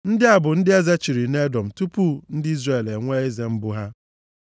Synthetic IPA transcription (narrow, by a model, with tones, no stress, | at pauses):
n̩˦dɪ˦a˨bʊ˨n̩˦dɪ˦e˦za˦t͡ʃi˨ɾi˨ne˦dɔ˨m̩˨tu˦pu˦n̩˦dɪ˦i˦zre˨le˨ŋʷe˦e˦ze˦m̩˦bʊ˦ɦa˦